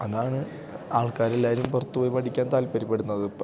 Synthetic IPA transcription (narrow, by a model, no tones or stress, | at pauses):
ɐðaːɳɨ | aːɭkaːɾelːaːilumpɐrt̪ːuʋojmɐʈʰikʲːaːnt̪aːlpɐɾipːe̞ɽunːɐðɨ